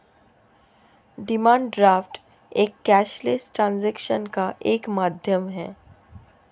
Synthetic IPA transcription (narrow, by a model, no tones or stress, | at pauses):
ɖɪmãːɳɖɖɾaːfʈ | eːkːɛːʃlesʈɾãːnzɛːkʃənkaʔeːkmaːd̪ʱjəmɦɛ̰ː